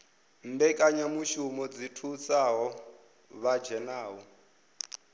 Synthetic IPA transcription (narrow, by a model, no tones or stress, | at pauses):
m̩bɛkʼaɲamuʃumɔd͡zitʰut͡sʼaɦɔ | βad͡ʒɛnaːɦu